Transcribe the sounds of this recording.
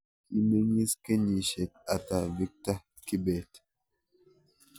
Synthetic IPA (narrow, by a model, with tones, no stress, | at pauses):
i˦me˦ŋi˦ske˦ɲi˨ʃe˨t̚a˨ta˨vi˦k̚ta˦ | ki˦bɛ˨t